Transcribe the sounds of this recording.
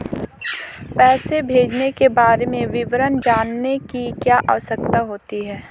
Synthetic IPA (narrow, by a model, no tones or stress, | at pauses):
pɛːsebʱeːd͡ʒnekebaːɾemẽʋɪʋɾənd͡ʒaːnːekikjaːʔaʋəsək̚t̪aɦoːt̪iɦɛː